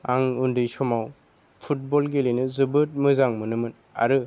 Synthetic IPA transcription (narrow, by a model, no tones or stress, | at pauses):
aŋundɯjsɔmaw | pʰut̚bɔlɡelejnɯzɯbɯt̚mɯzaŋmɯnɯmɯn | a̰ɾɯ